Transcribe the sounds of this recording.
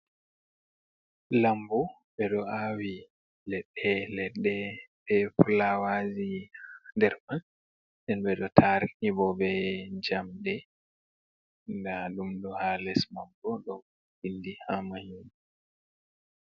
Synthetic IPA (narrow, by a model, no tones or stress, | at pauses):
lambu | ɓɛɗɔawi | lɛɓːɛlɛɗɛbɛfulawazihndɛɾman | dɛnɓɛɗɔtʰaɾnibɔbɛd͡ʒamɗɛ | ndaɗumɗɔhalɛsmambɔɗɔ | hindihamahin